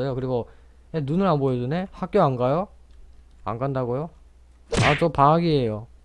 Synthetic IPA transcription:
ʌjokɯɾiɡo | enunɯɾɦanbojʌd͡ʑʌne̞hak̚k͈joanɡajo | a̰nɡandaɡojo | at͡ɕʌpaɦaɡiejo

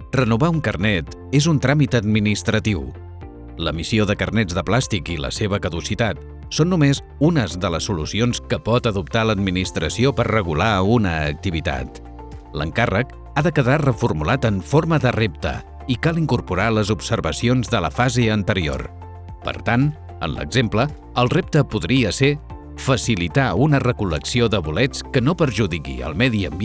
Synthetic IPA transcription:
rənuβauŋkərnɛt̪ | ezunt̪ɾamit̪əd̪minist̪ɾət̪iw | ləmisioðəkərnɛd͡zðəplast̪ikilə̰seβ̞əkəðusit̪at̪ | sonːumez | unəzðələsːulusionskəpɔt̪əðupt̪aləd̪minist̪ɾəsiopəɾrəɣ̞ulaunəːk̚t̪iβit̪a̰t̪ | lə̰ŋkarək | aðəkəðarəfurmulat̪əɱforməðərep̚t̪ə̰ | ikalˠiŋkuɾpuɾaləzupsəɾβəsionzðələfazeənt̪əɾio̰r | pə̰ɾt̪an | ə̰nlə̰ɡzemplə | əlˠrep̚t̪əpuðɾiəse | fəsilit̪aunərəkuləksioðəβulɛt͡skənopəɾʒuðikḭə̰lˠmɛðiəmb

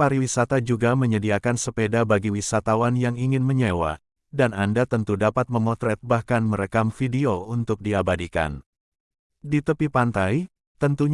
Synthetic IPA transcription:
paɾiwisat̪ad͡ʒuɡaməɲədiakansəpedabaɡiwisat̪awanjaŋiŋɪnməɲewa̰ | danandat̪ənt̪udapat̪̚məŋɔt̪ɾɛt̪̚bahkanməɾəkamfidiount̪ʊk̚diabadika̰n | dit̪əpipant̪aj | t̪ənt̪uɲ

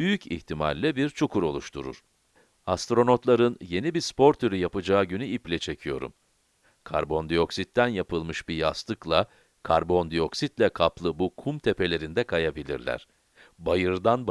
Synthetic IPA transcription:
byjycḭht̪ʰima̰lʲːɛbiɾt͡ʃʰukʰuɾo̞lˠuʃt̪ʰuɾṵɾ̥ | ast̪ɾo̞no̞t̪lˠaɾɯnje̞nibiɾspʰo̞ɾt̪ʰyɾyjapɯd͡ʒaːɟynyiplʲɛt͡ʃʰe̞cʰijo̞̰ɾṵm | kʰa̰ɾbo̞nd̪ijo̞ksit̪ːænjapʰɯlˠmɯʃbijast̪ɯklˠa | kʰaɾbo̞nd̪ijo̞ksit̪lʲɛkʰaplˠɯbukʰumt̪ʰe̞pʰe̞lʲe̞ɾind̪ɛkʰajabilʲḭɾlʲæ̰ɾ̥ | bajɯɾd̪anb

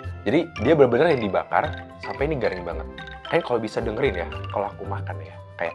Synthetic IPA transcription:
d͡ʒadidiabərbənarjaŋdibaka̰rsampainiɡaɾɪŋbaŋət̪̚kajnkalobisadəŋəɾɪnjakolakumakanja | kaja̰ʔ

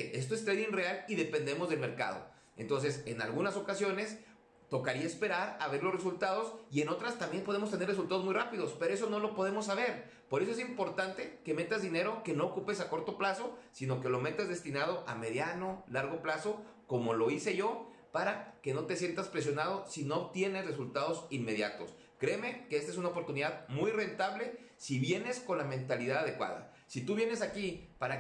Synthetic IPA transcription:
e̞s̬t̪oest̪ɾeðiŋrealiðe̞pe̞nd̪e̞mo̞zðe̞lme̞ɾka̰ð̞o̰ | ent̪o̞nse̞se̞na̰lɣunaso̞kasjo̞ne̞s | t̪o̞kaɾiae̞spe̞ɾaɾaβe̞ɾlore̞sult̪að̞o̞sie̞no̞t̪ɾast̪ambje̞npoð̞e̞mos̬t̪ene̞res̬ult̪aðo̞zmujrapiðo̞speɾoe̞s̬o̞no̞lo̞po̞ð̞e̞mo̞s̬ːaβ̞e̞ɾ | po̞ɾesoe̞simpo̞ɾt̪ant̪e̞ke̞me̞t̪azðine̞ɾo̞ke̞no̞ːkupesako̞ɾt̪o̞plaso̞sino̞ke̞lo̞me̞t̪azðe̞st̪inað̞o̞ʔame̞ðjano̞laɾɣo̞plaso̞ | ko̞mo̞lo̞ise̞ʝo̞ | paɾake̞no̞t̪e̞sje̞nt̪aspɾe̞s̬jo̞nað̞o̞sino̞t̪je̞ne̞zre̞sult̪aðo̞sinme̞ð̞ja̰t̪o̞̰s | kɾe̞ːme̞keest̪aesunaopo̞ɾt̪uniðaðmujre̞nt̪aβle̞ | siβje̞ne̞sko̞nlamẽ̞nt̪aliðaðaðe̞kwa̰ða̰ | sit̪uβje̞ne̞s̬akipaɾa

